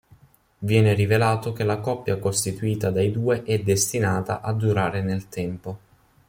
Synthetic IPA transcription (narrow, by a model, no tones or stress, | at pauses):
vjɛːneɾivelaːt̪ok̟elakɔpːjakost̪it̪uiːt̪ad̪ajd̪uːeʔɛd̪ːest̪inaːt̪a̰ʔad̪ːuɾaːɾenelt̪ɛmpo